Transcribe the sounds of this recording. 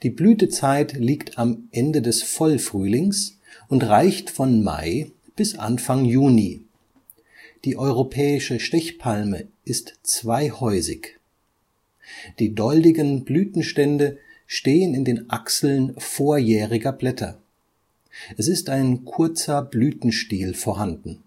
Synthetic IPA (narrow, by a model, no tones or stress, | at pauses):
d̥iːblyːtət͡saɪtliːktʰamʔɛndədɛsfɔlfʁ̥yːlɪŋs | ʊntʁaɪçtfɔnma̰ɪ | b̥ɪsʔa̰nfaŋjuːni | d̥iːʔɔʏʁopʰɛːɪʃəʃtɛçpʰalmə̰ʔɪstt͡sv̥aɪhɔʏzɪ̰ç | d̥iːdɔldɪɡənblyːtn̩ʃtɛndəʃteːənɪndeːnʔaksl̩nfoːɐjɛːʁɪɡɐblɛtʰɐ̰ | ʔɛsɪstaɪnkʰʊɐt͡sɐblyːtn̩ʃtiːlfoːɐɦandn̩